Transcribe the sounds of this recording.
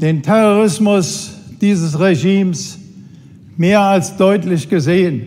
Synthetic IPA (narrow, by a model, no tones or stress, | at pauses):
d̥eːntʰɛʁoʁɪsmʊsd̥iːzəsʁeʒiːms | meːɐalsd̥ɔʏtlɪçɡ̥əzeːən